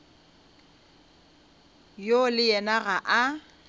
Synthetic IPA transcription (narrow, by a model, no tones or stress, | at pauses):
jolɪjɛnaɣaʔa